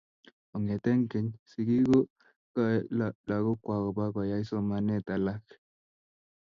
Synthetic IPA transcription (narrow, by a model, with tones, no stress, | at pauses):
ɔ˨ŋɛ˨tɛ˦ŋke˨ɲsi˨ɡi˦ɡo˦ | ka˦la˨ɡo˦kwa˨ɡɔ˨ba˦ba˨ja˦i˦sɔ˦ma˨nɛ˦˨ta˨la˦k